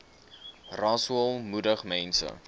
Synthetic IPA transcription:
rɑsuəlˠmudəχmɛnsə̰

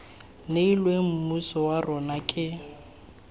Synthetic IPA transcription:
neilwem̩musɔwarʔɔnakʼɪ

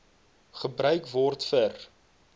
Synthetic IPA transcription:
χəbrœɥkvɔrtfər

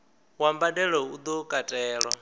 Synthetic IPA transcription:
wambadɛɺɔud̪ɔkʼatʼɛːɺɔ

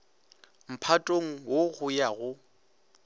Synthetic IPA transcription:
m̩pʰatʼoŋ̩woɣʊjaɣʊ

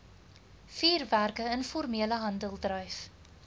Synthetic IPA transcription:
fiːrværkəənfɔrmiələɦɐndəlˠdrœjf

